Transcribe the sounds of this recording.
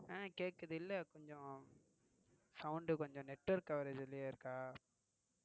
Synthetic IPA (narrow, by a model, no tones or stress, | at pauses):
ẽːkeːʈkːɐðɪlːɐkɔɲd͡ʒɔ̃ | sɐʊɳɖɯkɔɲd͡ʒɔ̃nɛʈːʋɐɾkːɐʋɐɾɐd͡ʒɪlːɪjaːɪɾɯkːaː